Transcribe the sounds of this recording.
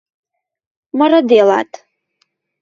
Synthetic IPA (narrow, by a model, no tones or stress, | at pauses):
maradela̰tʼ